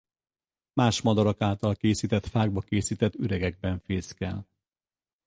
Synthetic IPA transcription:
maːʃmɒd̪ɒɾɒkaːlt̪ɒlkeːsit̪ɛt̪faːɡ̚bɒkeːsit̪ɛt̪ːyɾɛɡɛɡ̚bɛɱfeːskɛ̰l

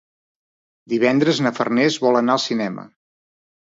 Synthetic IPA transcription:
d̪iβɛnd̪ɾəznəfərnezβɔlənaəlˠsinɛmə̰

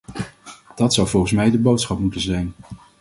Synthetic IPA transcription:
d̥ɑtsɑwvʊlˠχəns̬mɛjdəbowtsχɑpmutənzɛjn

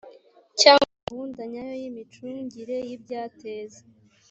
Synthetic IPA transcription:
caːŋahundaɲajojimit͡ʃuɲɟiɾe̞jib̚ɟaːtʰeːze

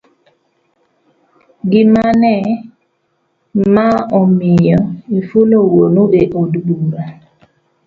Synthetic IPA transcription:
ɡɪmanɛ | maɔmɪjɔifulowonoʔeʔodduŋɡa

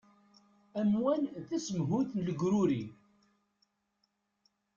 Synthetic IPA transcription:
æmwænθæsəmɦuθnləɡɾʊɾi

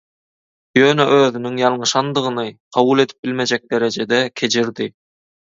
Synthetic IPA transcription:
jøːnɛʔøːðynyŋjɑlˠɴɯʃɑnd̪ɯʁɯnɯqʰɑβulˠe̞t̪ʰi̥p̚bilʲme̞d͡ʒɛk̚d̪e̞ɾed͡ʒed̪ɛkʲʰe̞d͡ʒʰiɾd̪i

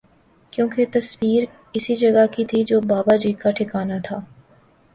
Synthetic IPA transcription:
kjõːket̪ɐswiːɾ | ɪsid͡ʒɐɡakit̪ʰid͡ʒoːbaːbad͡ʒiːkaʈʰɪkaːnat̪ʰaː

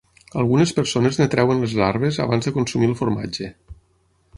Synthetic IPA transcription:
alˠɣunəspəɾsoneznet̪ɾɛwənlezaɾβeza̰βanzðəkonsumilˠfoɾma̰d͡ʒe

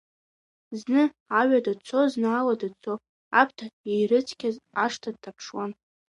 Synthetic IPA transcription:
znɨ | aɥadat͡sʰoznaːladat͡sʰo | a̰pʰtʰaejɾɨt͡sʰkʲazaʂtʰad̚tʰapʰʂwan

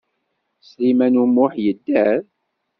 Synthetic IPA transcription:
slimænumʊħjəd̪ːæɾ

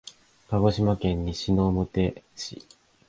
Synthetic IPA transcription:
kaɡo̞ɕimakẽ̞ɲ̟ːiɕino̞ːmɯ̟t̪e̞ɕḭ

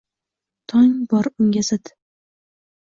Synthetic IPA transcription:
t̪ʰɒŋbɒɾʊŋɡʲasɪt̪

